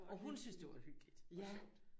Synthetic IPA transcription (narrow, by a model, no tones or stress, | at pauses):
ɒ̽ɦunsynsd̥e̝ɑ̈hyɡ̥lid̥